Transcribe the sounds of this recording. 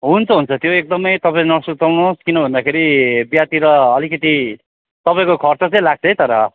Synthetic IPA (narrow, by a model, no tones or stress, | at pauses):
ɦunt͡sʰʌɦunt͡sʰʌt̪joek̚d̪ʌmʌjt̪ʌpaẽnʌsut̪awnoskinʌbʱʌnd̪akʰeɾibjat̪iɾʌːlikʌt̪i | t̪ʌpaĩkokʰʌrt͡sʌt͡sʌ̃ĩlaɡ̚t͡sʰʌjt̪ʌɾʌ